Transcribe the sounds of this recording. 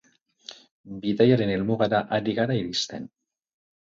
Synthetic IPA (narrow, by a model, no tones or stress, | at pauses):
biðajaɾe̞ne̞lmuɣaɾaʔaɾiɣaɾaiɾist̪e̞̰n